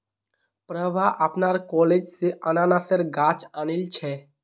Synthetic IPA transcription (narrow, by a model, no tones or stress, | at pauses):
pɾəʋaʔɐpnaːɾkɔːleːd͡ʒseʔənaːnasəɾɡaːt͡ʃaːnɪlt͡ʃʰɛː